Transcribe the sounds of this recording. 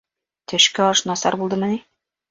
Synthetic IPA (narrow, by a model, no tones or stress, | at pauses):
t̪ɘ̆ʃkæɒʃnɒsɑ̰ɾbulˠd̪ɤmɘni